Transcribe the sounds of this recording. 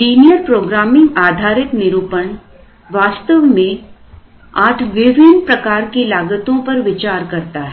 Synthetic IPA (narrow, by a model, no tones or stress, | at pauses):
siːnijəɾpɾoːɡɾaːmɪ̃ŋɡaːd̪ʱaːɾɪknɪɾuːpəɳ | ʋaːst̪əʋmẽ | aːʈʰʋɪʋɪnpɾɐkaːɾkilaːɡət̪õpɐɾʋɪt͡ʃaːɾkɐɾt̪aɦɛ